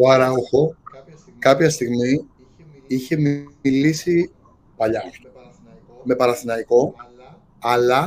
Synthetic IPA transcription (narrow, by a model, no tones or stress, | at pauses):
oɐɾɐoxo̞ | kɐpçɐst̪iɣmi | içe̞milisi | pɐʎɐ | me̞pɐɾɐθinɐiko̞ | ɐlɐ